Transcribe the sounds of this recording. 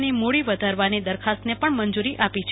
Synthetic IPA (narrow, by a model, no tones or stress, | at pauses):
nimoɭiʋəd̪ʱaɾʋanid̪əɾkʰast̪nepəɳmənd͡ʒuɾiʔʔapit͡ʃʰ